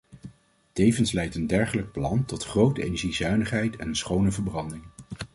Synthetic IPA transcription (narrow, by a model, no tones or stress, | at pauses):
tejvənslɛjtəndɛɹχələk̚plɑntɔtχrowtəejnɛɹʒizœɥnəχɦɛjtʰɛ̰nənsχownəvəɹbrɑndɪŋ